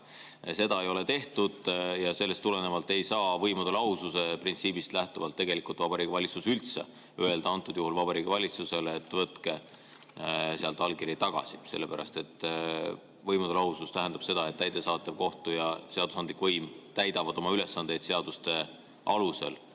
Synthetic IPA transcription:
se̞d̪ɑejo̞le̞t̪e̞ht̪ud̪̥jɑse̞lːest̪ːule̞ne̞vɑlt̪ːˑe̞jsɑːvɤjmud̪elɑususe̞print̪siːbist̪læht̪uvɑlt̪ːe̞ɡ̥e̞likˑult̪vɑbɑɾiːɡ̥ivɑlʲit̪susylt̪se̞̰ | ye̞ld̪ɑɑnt̪ˑːud̪̥juɦulvɑb̥ɑɾiːɡ̥ivɑlʲit̪suse̞let̪ːˑvɤt̪ke | seɑlt̪ˑɑlkiɾit̪ɑɡ̥ɑ̰si̥se̞lːepæɾʔɑ̰st̪e̞t̪ːˑ | vɤjmud̪elɑɦusust̪æɦend̪ɑb̥se̞d̪̥ɑe̞t̪ːæjt̪ːesɑːt̪ːˑevko̞ht̪ujɑse̞ɑd̪usɑnd̪likvɤjmt̪æjd̪ɑvɑd̪̥o̞mɑyle̞sːɑnd̪e̞jd̪̥se̞ɑd̪̥ust̪e̞ | ʔɑluse̞̰l

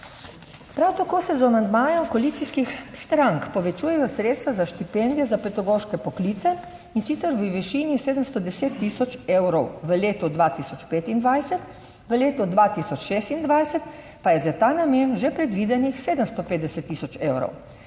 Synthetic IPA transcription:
pɾawt̪akoːsɛzamand̪maːjɔkɔlit̪siskixst̪ɾaŋkpɔʋɛt͡ʃuːjɛjɔsɾet̪st̪ʋazaʃt̪ipɛnd̪ijɛzapɛt̪aɡoːʃkɛpɔkliːt̪sɛ | insit̪sɛɾʋəʋɛʃiːniseːd̪əmst̪ɔd̪ɛseːt̪ːisɔt͡ʃewɾɔwʋəleːt̪ɔd̪ʋaːt̪isɔt͡ʃpeːt̪ind̪ʋajsɛt̪ | ʋəleːt̪ɔd̪ʋaːt̪isɔt͡ʃʃeːst̪ind̪ʋajsɛt̪ | pajɛzat̪aːnamenʒɛpɾɛd̪ʋiːd̪ɛnixseːd̪əmst̪ɔpeːd̪ɛsɛt̪ːisɔt͡ʃeːwɾɔ̰w

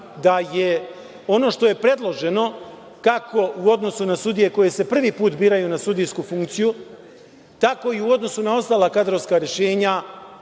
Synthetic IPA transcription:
d̪aje̞ | o̞no̞ʃt̪o̞je̞pɾe̞d̪lˠo̞ʒe̞no̞ | kako̞uo̞d̪no̞sunasud̪ije̞ko̞je̞se̞pr̩ʋipuːt̪biːɾajunasud̪ijskufuŋkt̪siju | t̪ako̞iuo̞d̪no̞sunao̞st̪aːlˠakad̪ɾo̞ʋskaɾje̞ʃe̞ːɲa

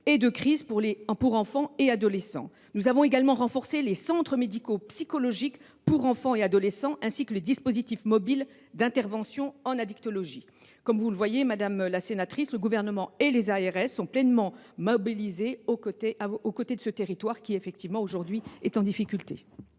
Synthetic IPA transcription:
ed̪əkχizpuʁlepuʁɑ̃fɑ̃ead̪ɔlesɑ̰̃ | nuzavɔ̃eɡalmɑ̃ʁɑ̃fɔʁselesɑ̃t̪χəmed̪ikopsikɔlɔʒik | puʁɑ̃fɑ̃ead̪ɔlesɑ̃ʔɛ̃sikəled̪ispozit̪ifmɔbil | d̪ɛ̃t̪ɛʁvɑ̃sjɔ̃ɑ̃nad̪ikt̪ɔlɔʒi | kɔmvuləvwajemad̪amlasenat̪χisləɡuvɛʁnəmɑ̃elezaɛʁɛsːɔ̃plɛnmɑ̃mɔbilizeokot̪eʔaokot̪ed̪əsət̪eʁit̪waʁkʲiefɛk̚t̪ivmɑ̃oʒuʁd̪ɥiɛt̪ɑ̃d̪ifikʲylt̪ḛ

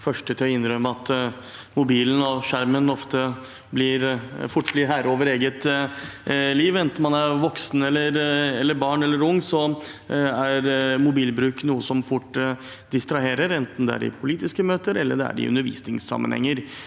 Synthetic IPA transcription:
fœʂʈət̪ʰɪlɔɪnːɾœmːəɑt̪ | mʊbiːlən̩ɔʂæɾmənɔft̪ə | blɪɾfʊʈːblɪɾɦæːɾoːʋəɾeːɡət̪ | liːʋɛnt̪n̩mɑnæɾʋɔksn̩ɛlːəɾɛlːəɾbɑːɳɛlːəɾʊŋːsɔ | æɾmʊbiːlbɾʉːknuːəsɔmfʊʈː | d̪ɪst̪ɾɑɦeːɾəɾɛnt̪n̩d̪ɛæ̰ɾɪ̰pʰʊliːt̪ɪskəmøːt̪əɾɛlːə̰ɖɛ̰æ̰ɾɪ̰ʉ̰nd̪əɾʋḭːsnɪŋsɑ̰mːənhɛ̰ŋːəɾ

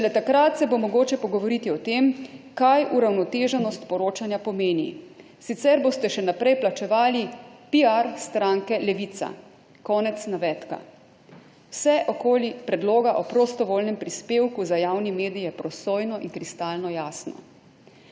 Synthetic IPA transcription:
t͡ʃɛlɛt̪akɾat̪sɛbomɔɡoːt͡ʃɛpɔɡɔʋɔɾit̪iɔt̪emkajʔuɾawnɔt̪eːʒɛnɔst̪pɔɾoːt͡ʃanjapɔmeːnḭ | sit̪sɛɾboːst̪ɛʃɛnapɾɛjplat͡ʃɛʋaːlipiaɾst̪ɾaŋkɛlɛʋit̪sa̰ | kɔːnɛt̪snaʋɛt̪ka̰ | wsɛʔɔkoːlipɾɛd̪loːɡaʔɔpɾost̪ɔʋoːlnɛmpɾispeːwkuzajawnimeːd̪ijjɛpɾɔsoːjnɔʔinkɾist̪aːlnɔjaːsnɔ̰

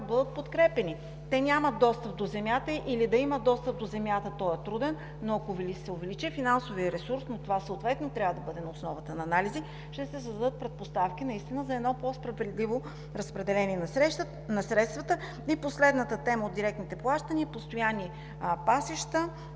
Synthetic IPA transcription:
bɤd̪ət̪̚pot̪kɾɛpɛni | t̪ɛnʲamɐd̪d̪ːɔst̪əp̚d̪ozɛmʲjat̪əʔilid̪ɐiməd̪ɔst̪əp̚d̪ozɛmʲjat̪ət̪ɔɛt̪ɾud̪ɛnː | oɐkovɛlsɛʊvɛlit͡ʃifinansoviəɾɛsuɾsnot̪ovasəot̪vɛt̪not̪ɾʲavəd̪ɐbɤd̪ɛnɐosnɔvət̪ənɐːnalizi | ʃt̪ɛsɛsəzd̪ɐd̪ət̪̚pɾɛt̪̚post̪afk̟ʲinɐist̪inəzɐɛd̪nɔpospɾɐvɛd̪livo | ɾɐspɾɛd̪ɛlɛnʲiɛnɐɛ | nɐsɾɛt̪st̪vət̪ə | iposlɛd̪nət̪ət̪ɛməod̪d̪iɾɛk̚t̪nit̪ɛplˠaʃt̪ənʲiəpost̪ojanːi | pasiʃt̪ə

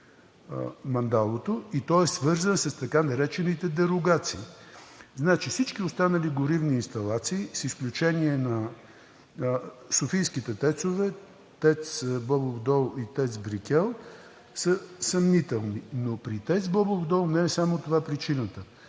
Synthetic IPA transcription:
mɐnd̪alˠot̪oit̪ɔɛsvɤɾzənsəst̪ɐkanɐɾɛt͡ʃɛnit̪ɛd̪ɛɾoɡat̪siːznat͡ʃifsit͡ʃkiost̪anəliɡʊɾivniːnst̪ɐlˠat̪siːsisklʲut͡ʃɛniɛnɐ | sofijskit̪ɛt̪ɛt̪sovɛ | t̪ɛt̪sbɔbovd̪ɔlˠit̪ɛt̪sbɾikʲɛlˠ | səsɐmnit̪ɛlˠninopɾit̪ɛt̪sbɔbovd̪ɔlˠnɛɛsamot̪ovapɾit͡ʃinət̪ə

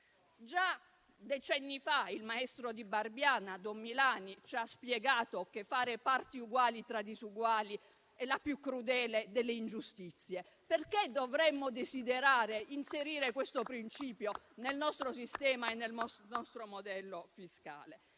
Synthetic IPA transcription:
d͡ʒa | d̪et͡ʃɛnːifailmaɛst̪ɾod̪ibarbjaːnad̪omːilaːnit͡ʃaspjɛɡaːt̪okefːaːɾepart̪iuɡwaːlit̪ɾad̪isuɡwaːli | ɛlapjukːɾud̪ɛːled̪elːeind͡ʒust̪it̪sːje | perked̪ovɾɛmːod̪esid̪eɾaːɾeinseɾiːɾekwest̪opɾint͡ʃiːpjo | nelnɔst̪ɾos̬ist̪ɛːmaenːelmɔnɔst̪ɾomod̪ɛlːofiska̰ːle

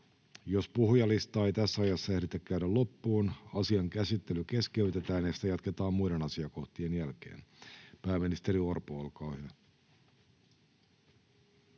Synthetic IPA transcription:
jospuhjɑlist̪ɑːejt̪æsːæɑjɑsːɑehɾit̪ækkæyɾællo̞pːuːnɑsiɑŋkæsit̪ːe̞lyke̞skeyt̪e̞t̪æːnest̪æjɑt̪ket̪ɑːmmuide̞nɑsiɑko̞ht̪ienjælke̞̰ːnpæːmːinist̪e̞ɾiorpuolkɑːhyæ

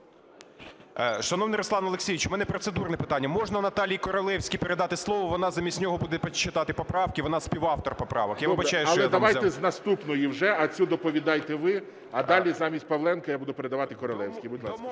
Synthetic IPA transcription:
ʃɐnɔwnɪjɾɔslˠɑnɐlˠeksʲijʋʲiɪt͡ʃʊmɛnɛpɾɔt̪sed̪urnɛpɪt̪ɑnʲːɐmɔʒnɐnɐt̪ɑlʲijkɔɾɔlˠɛwsʲkʲijpeɾed̪ɑt̪ɪslˠɔʋɔʋɔnɑzɐmʲisʲnʲɔɦɔbud̪ɛpɐt͡ʃːɪt̪ɑt̪ɪpɔpɾɑwkɪʋɔnɑsʲpʲiwɑft̪ɔrpɔpɾɑ̰ʋɐkjaʋbɐt͡ʃɑjʊɐlɔɛd̪ɐʋajt̪ɛznɐst̪upnɔjiwʒɛɐt͡sʲud̪ɔpɔʋʲid̪ɑjt̪ɛʋɪ | ɐd̪ɑlʲizɑmʲisʲt̚ʲpɐʋlˠɛnkɐjabud̪ʊpeɾed̪ɐʋɑt̪ɪkɔɾɔlˠɛwsʲkʲijbʊd̪ʲlˠɑs

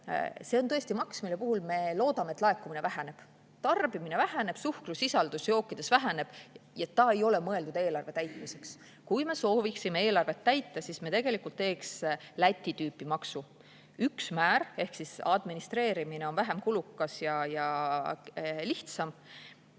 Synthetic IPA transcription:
se̞ont̪ɤ̞est̪imɑksmile̞puhulme̞lo̞ːd̪̥ɑmeet̪ˑlɑe̞kːˑumine̞væɦæne̞b̥ | t̪ɑrbimine̞væɦæne̞b̥suhkrusisɑld̪̥usjo̞ːkːˑid̪̥e̞svæɦæne̞b̥jet̪ːɑe̞jo̞le̞mɤe̞ld̪ud̪eːlɑrve̞t̪æjt̪ˑmise̞ks | kujme̞so̞ːviksime̞e̞ːlɑrve̞t̪ːæjt̪ːˑɑsismet̪eɡ̥e̞likult̪ːe̞ːkslæt̪ʲːˑit̪yːpːˑimɑksu | yksmæːɾe̞hksisɑ̰d̪̥minist̪re̞ːɾimine̞o̞nvæɦemkulukːˑɑsjɑjɑ | liht̪sɑm

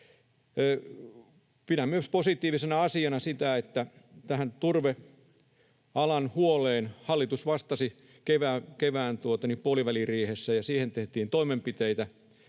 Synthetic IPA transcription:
pinæmyøsposit̪ˑiːʋisenɑɑsiɑnɑsit̪æet̪ːæt̪æhænt̪urʋe | ɑlɑnhuoleːnhɑlːit̪usʋɑst̪ɑsi | keʋæːkeʋæːnt̪uot̪ɑnipuoliʋæliriːhesːæjɑsiːhent̪eht̪iːnt̪oimempit̪eit̪æ

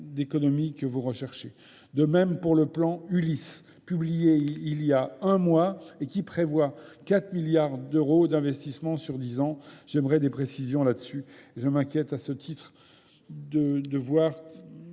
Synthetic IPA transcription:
d̪ekɔnɔmikəvuʁəʃɛʁʃe | d̪əmɛmpuʁləplɑ̃ylis | pyblijeiljaɛ̃mwaekʲipχevwakat̪χmiljaʁd̪øʁod̪ɛ̃vɛst̪ismɑ̃syʁd̪izɑ̃ʒ̥ɛmʁɛd̪epχesizjɔ̃lad̪əsyeʒəmɛ̃kʲjɛt̪asət̪ʰit̪χ | d̪əd̪əvwaʁ

